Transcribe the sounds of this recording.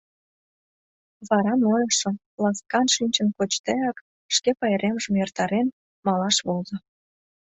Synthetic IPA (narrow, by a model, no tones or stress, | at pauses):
βɑɾɑnojɑʃə̆ | lɑskɑnʃinʲt͡ɕə̆nkot͡ɕt̪eɑk | ʃkepɑjeɾemʒə̆mjərt̪ɑɾen | mɑlɑʃβozŏ